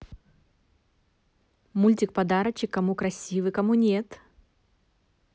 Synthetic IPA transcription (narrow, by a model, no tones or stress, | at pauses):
mulʲtʲɪk̚pɐd̪aɾət͡ɕːɪkːɐmukɾɐsʲivɨkɐmunʲet̪